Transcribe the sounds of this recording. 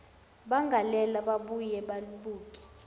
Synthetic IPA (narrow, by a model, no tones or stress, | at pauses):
ɓaŋɡʱalɛlaɓaɓujɛɓaluɓuːk̬ʼɛ̥